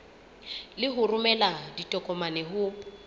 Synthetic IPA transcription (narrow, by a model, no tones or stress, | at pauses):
lɪɦʊrʊmɛladitʼɔkʼɔmanɛɦʊ